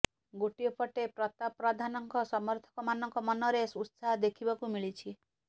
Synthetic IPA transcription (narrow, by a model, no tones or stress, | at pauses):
ɡoʈiopɔʈepɾɔt̪apɾad̪ʱanɔŋkɔsɔmɔɾt̪ʰɔ̥kɔmanɔŋkɔmɔnɔɾesut̪saɦd̪ekʰibɔkumiɭit͡ʃʰi